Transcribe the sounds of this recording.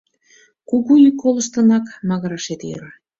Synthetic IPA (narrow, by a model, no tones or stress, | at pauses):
kuɣuykːoləʃt̪ənɑkmɑɣəɾɑʃet̪jə̰ɾɑ